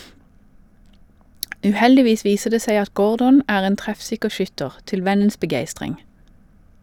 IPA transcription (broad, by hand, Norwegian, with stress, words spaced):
ʉːˈhɛldɪˌʋiːs ˈʋiːsə ˈdeː ˈseɪ ˈɑt ˈɡoːɹdɔn ˈæːʁ ˈeːn ˈtʁɛfˌsɪkə ˈʃʏtəʁ ˈtɪl ˈʋɛnəns bəˈɡeɪstʁɪŋ